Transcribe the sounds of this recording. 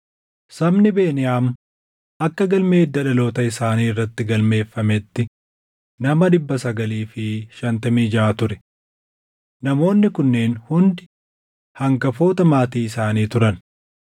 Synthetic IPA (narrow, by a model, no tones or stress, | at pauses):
sɐbnɪbe̞ːnɪjaːm | ʔɐkːɐɡɐlmeːd̪ːɐᶑɐlo̞ːt̪ɐɪsaːniːɪrːɐt̪ːɪɡɐlme̞ːfːɐmɛt̪ːɪ | nɐmɐd̪ɪbːɐsɐɡɐliːfɪʃɐnt̪ɐmiːd͡ʒaːt̪ʊɾɛ̥ | nɐmo̞ːnːɪkʊnːe̞ːnhʊnd̪ɪ | hɐŋkɐfo̞ːt̪ɐmaːt̪iːɪsaːniːt̪ʊɾɐn